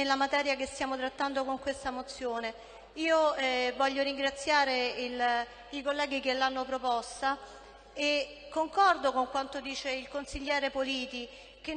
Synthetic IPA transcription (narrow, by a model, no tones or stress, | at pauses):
elːamat̪ɛːɾjakest̪jaːmot̪ɾat̪ːand̪okoŋkwest̪amot̪sːjoːne | iːoɛvɔʎːoɾiŋɡɾat̪sːjaːɾeil | ikolːɛːɡikelːanːopɾopɔst̪a | e | kːoŋkɔrd̪okoŋkwant̪od̪iːt͡ʃeilkonsiʎːɛːɾepoliːt̪i | k̟e